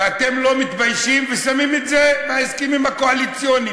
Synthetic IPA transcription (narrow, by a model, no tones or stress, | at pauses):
at̪e̞mlo̞mit̪bajʃimvesamimet̪zeveaiskimimhako̞alit͡sjoni